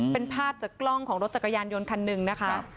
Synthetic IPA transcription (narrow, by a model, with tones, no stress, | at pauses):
pe˧npʰaː˥˩p̚t͡ɕaː˨˩klɔ˥˩ŋkʰɔː˩˦ɾo˦˥t̪̚t͡ɕa˨˩kʰːa˧jaː˧njo˧nkʰa˧nːɯ˨ŋna˦˥kʰa˦˥